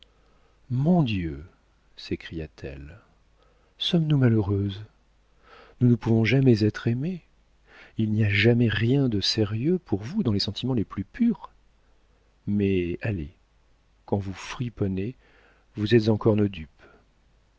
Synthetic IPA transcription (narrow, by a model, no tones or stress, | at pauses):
mɔ̃d̪jø | sekχijat̪ʰɛ̰l | sɔmnumaløʁøz | nunəpuvɔ̃ʒamɛzɛt̪χeme | ilniaʒamɛʁjɛ̃d̪əsɛʁjøpʰuʁvud̪ɑ̃lesɑ̃t̪ʰimɑ̃leplypʰyʁ | mɛale | kɑ̃vufχipɔne | vuzɛt̪zɑ̃kɔʁnod̪yp